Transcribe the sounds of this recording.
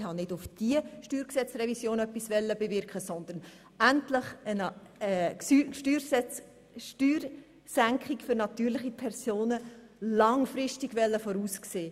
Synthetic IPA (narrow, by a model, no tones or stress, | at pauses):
hɑnɪdʊfd̥iəʃtyːɾksɛt͡srɛvisjoːnœpːisvɛlːəbevɪɾkχəsɔnd̪ən | æntlɪχənəʃtyːɾsɛt͡s | ʃtyːɾ | sæŋkχɪkfʏɾnɑt̪yːɾlɪχipʰɛrsoːnə | lɑŋfɾɪstɪɡ̥vɛlːəfɔɾuːskseː